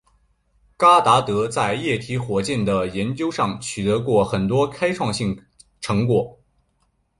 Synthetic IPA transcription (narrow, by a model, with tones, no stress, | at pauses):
ka˥t̪a˧˥t̪ɤ˧˥t͡sa˥˧ɪjɛ˥˩t̪ʰi˧˥xwɔ˨˩t͡ɕjɛ˥˩nd̪ə˩jɛ˧˥nt͡ɕjo˥ʊʂɑ˥˩ŋt͡ɕʰy˨˩t̪ɤ˧˥kwɔ˥˩xə˨˩nt̪wɔ˥kʰa˥ɪʈ͡ʂʰwɑ˥˧ŋɕi˥˩ŋ | ʈ͡ʂʰɤ˧˥ŋkwɔ˨˩˦